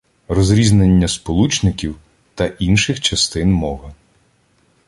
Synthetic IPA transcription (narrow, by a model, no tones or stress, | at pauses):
rɔzɾʲiznenʲːɐspɔlˠut͡ʃnɪkʲiw | t̪ɐʔinʃɪxt͡ʃɐst̪ɪnmɔɦɐ